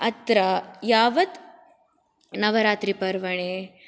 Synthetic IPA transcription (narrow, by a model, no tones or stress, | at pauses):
ɐt̪ɾajaːʋɐt̪ | nɐʋɐɾaːt̪ɾipɐɾʋɐɳeː